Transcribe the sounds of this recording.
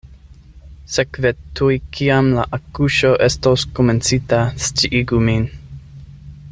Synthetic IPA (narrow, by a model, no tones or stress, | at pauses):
sekvetʰujkʰiamla̰ʔakuʃoʔestoskoment͡sitast͡ʃiʔiɡumin